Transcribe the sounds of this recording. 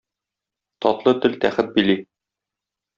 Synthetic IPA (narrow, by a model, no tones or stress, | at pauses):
t̪ɒt̪lˠɤt̪ɘlt̪æχɘt̪̚bili